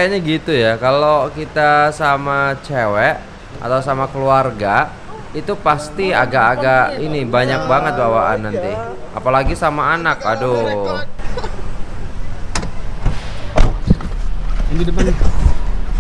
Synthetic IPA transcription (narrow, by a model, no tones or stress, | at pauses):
kaɲaɡit̪ujakalokit̪asamat͡ʃewɛʔ | a̰t̪awsamakəluarɡa | it̪upast̪ia̰ɡaʔaɡaʔinibaɲak̚baŋət̪̚bawaʔa̰nːant̪i | ʔa̰palaɡisamaːnakado | iŋɡidəpan